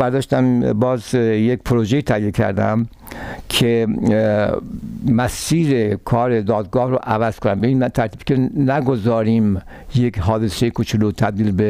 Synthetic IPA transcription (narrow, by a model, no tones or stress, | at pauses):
bæɾd̪ɒːʃt̪æmbɒːzjekpʰoɾoʒejiːt̪ʰæhje̞kʲʰæ̰ɾd̪æ̰m | kʰe | mæsiːɾekʰɒːɾed̪ɒːd̪̚ɡɒːhɾoʔævæz̥kʰonæmbeiːnt̪ʰæɾt̪iːbkʲenæɡozɒːɾiːm | jekɦɒːd̪e̞sejekʰot͡ʃʰolot̪ʰæb̚d̪iːlbe